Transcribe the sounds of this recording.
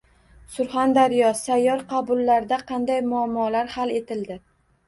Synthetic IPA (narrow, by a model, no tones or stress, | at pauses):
sʊɾχand̪aɾɪjɒsajːɒɾqʰɑbʊlˠːaɾd̪aqʰɑnd̪ajmʊamːɒlaɾhale̞t̪ɪld̪ɪ